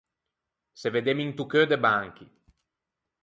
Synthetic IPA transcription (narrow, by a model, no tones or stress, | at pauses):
seved̪emint̪ukød̪ebaŋk̟i